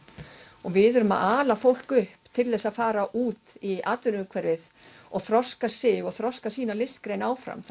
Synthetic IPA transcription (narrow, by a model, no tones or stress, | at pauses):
ɔɣvɪðʏɾʏma̰ðaːlafowl̥kʏhpt̪ʰɪlθɛsaðfaːɾaʔuːt̪iʔaːt̪vʏɾʏkʰvɛɾɪð | ɔɣθɾɔskasɪɣɔɣθɾɔskasiːnalɪskɾeːjnaːwfɾa̰mθ